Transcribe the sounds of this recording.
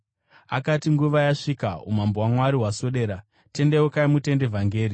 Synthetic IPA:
a̰katiŋɡuʋajaʂikaṵmambowamwaɾiɦwaso̞ɗe̞ːɾa | te̞ndewokaimute̞nde̞vʱaŋɡe̞ːɾi

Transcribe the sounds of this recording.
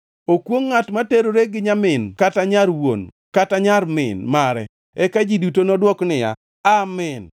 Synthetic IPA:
okwoŋːatmateɾoɾeɡɪɲamɪnkataɲaɾwo̰n | kataɲaɾmɪ̰nmaɾɛ̰ | ɛkad͡ʒidutonɔdwɔknɪja̰ | amɪn

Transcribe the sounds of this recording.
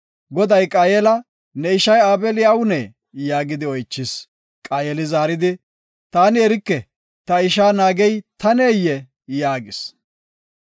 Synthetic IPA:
ɡɔd̪ɐjkʼaːjɛlɐ | nɛɪʃɐjaːbɛlɪawʊnɛ | jaːɡɪd̪ɪɔjt͡ʃːɪs | kʼaːjɛlɪzaːɾɪd̪ɪ | t̪aːnɪɛɾɪkːɛ | t̪ɐɪʃaːnaːɡɛjt̪ɐneːjːɛ | jaːɡɪs

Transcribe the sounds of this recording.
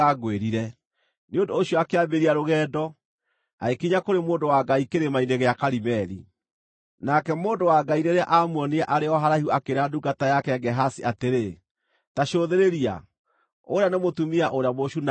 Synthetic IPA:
aɡweɾiɾɛ | neondoːɕjɔakeambeɾiaɾoɣɛːdɔ | a̰ekiɲakoɾemoːndowaɡaikeɾemaineɣeakaɾimɛɾḭ | nakɛmoːndowaɡaineɾea̰ʔamwɔneaʔaɾeɔɦaɾaiuakeɾaduɡatajakɛɡɛɦasiʔateɾe | taʃoðeɾeɾia̰ | oɾeanemotumiaʔoɾeamoʃun

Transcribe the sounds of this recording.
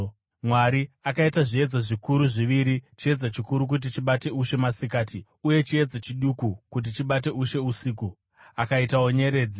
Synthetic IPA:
mwaɾiakaitaʐie̞d͡zaʐikuɾuʐiʋiɾit͡ʃie̞d͡zat͡ʃikuɾuk̬ut̬it͡ʃiɓate̞uʃe̞masikaːti | uje̞t͡ʃie̞d͡zat͡ʃiɗukukut̬it͡ʃiɓat̬e̞uʃe̞usiːku | akaitaoɲe̞ɾe̞ːd͡zi

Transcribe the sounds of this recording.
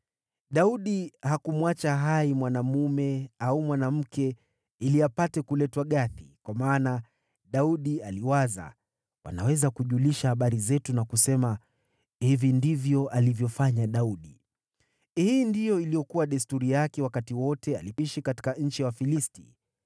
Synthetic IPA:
ɗauɗihakumwat͡ʃaɦaimwanamumɛaumwanam̩kɛ | iliapatɛkulɛtwaɠaθikwamaːna | ɗauɗialiwaza̰ | wʔa̰nawɛzakuʄuliʃahaɓaɾizɛtunakusɛma | hivindivjɔʔalivjɔfaɲaɗauɗi | hiːndijɔilijɔkuwaɗɛstuɾijakɛwakatiwɔtɛaliiʃikati̥kaɲ̩t͡ʃiwafilisti

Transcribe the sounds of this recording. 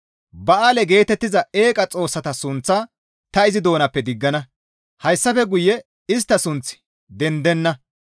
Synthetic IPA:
bɐʔaːlɛɡe̞ːt̪ɛt̪ːɪzɐe̞ːkʼɐt͡sʼo̞ːsːɐt̪ɐsʊnt͡sːa | t̪ɐɪzɪd̪o̞ːnɐpːɛd̪ɪɡːɐnɐ | hɐjsːɐfɛɡʊjːɛ | ɪst̪ːɐsʊnt͡sːɪ̥ | d̪ɛnd̪ɛnːɐ

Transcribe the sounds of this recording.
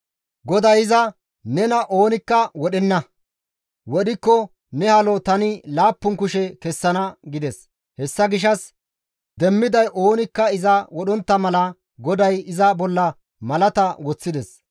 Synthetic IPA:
ɡɔd̪ɐjɪzɐ | nɛnɐʔoːnɪkːɐwɔɗɛnːɐ | wɔɗɪkːɔ | nɛhɐlɔt̪ɐnɪlaːpːʊŋkʊʃɛkɛsːɐnɐɡɪd̪ɛs | hɛsːɐɡɪʃ̬ɐs | d̪ɛmːɪd̪ɐjʔo̞ːnɪkːɐɪzɐwɔɗɔnt̪ːɐmɐlɐ | ɡɔd̪ɐjɪzɐbɔlːɐ | mɐlɐt̪ɐwɔt͡sːɪd̪ɛs

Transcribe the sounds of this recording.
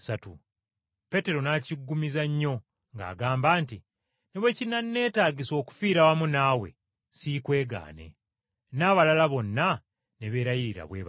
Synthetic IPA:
satu | pe̞te̞ɾo̞naciɡːumizaɲːo̞ | ŋɡa̰ːɡaːmbaːnti | neβwe̞cinanːe̞ːtaːɡiso̞ːku̥fiːɾawamunawe̞̰ | sikwe̞ːɡa̰ːne̞̰ | naːβalalaβo̞nːa | neβe̞ːɾajiɾiɾa̰βweːβ

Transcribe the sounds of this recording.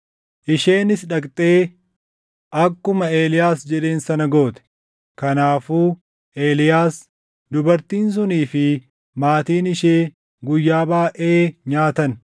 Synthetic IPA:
ʔɪʃe̞ːnɪsᶑɐkʼt̪ʼe̞ː | ʔɐkːʊmɐe̞ːlɪjaːsd͡ʒɛᶑe̞ːnsɐnɐɡo̞ːt̪ɛ̥ | kɐnaːfuː | ʔe̞ːlɪjaːs | d̪ʊbɐɾt̪iːns̬ʊniːfɪ | maːt̪iːnɪʃeː | ɡʊjːaːbaːʔe̞ːɲaːt̪ɐn

